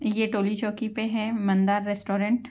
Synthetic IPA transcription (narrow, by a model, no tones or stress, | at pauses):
jeʈoːlit͡ʃɔːkipeɦɛ̃mɐ̃nd̪aːɾːɛsʈoːɾɛ̃ɳʈ